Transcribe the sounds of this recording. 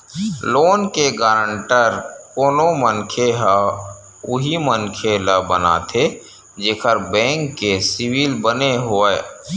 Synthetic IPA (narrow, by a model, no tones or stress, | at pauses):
loːnkeɡaːɾəɳʈəɾkoːnomənkʰeɦa | ʊɦimənkʰeləbəna̰t̪ʰe | d͡ʒeːkʰəɾbɛ̃ːŋkːesɪwiːlbəneɦoːɛ